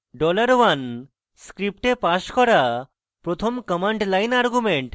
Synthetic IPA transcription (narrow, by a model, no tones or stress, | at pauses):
ɖɔlaɾwan | skɾip̚ʈepaʃkɔɾa | pɾot̪ʰomkəmaɳɖlajnaɾɡumeɳʈ